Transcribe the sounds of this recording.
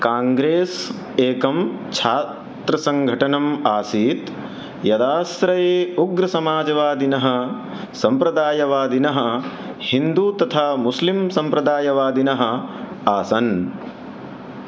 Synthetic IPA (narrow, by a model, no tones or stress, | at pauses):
kaːŋɡɾeːs | eːkɐmt͡ʃʰaːt̪ɾɐsɐŋɡʱɐʈɐnɐmaːsiːt̪ | jɐd̪aːsɾɐjeːuɡɾɐsɐmaːd͡ʒɐʋaːd̪inɐɦɐ̆ | sɐmpɾɐd̪aːjɐʋaːd̪inɐɦɐ | hind̪uːt̪ɐt̪ʰaːmuslimsɐmpɾɐd̪aːjɐʋaːd̪inɐɦɐ̆ | aːsɐn